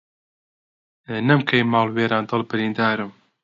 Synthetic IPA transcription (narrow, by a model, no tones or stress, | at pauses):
nɐmkʰɐjmaːlweːɾaːnd̪ɨlˠbɨɾiːnd̪aːɾɨm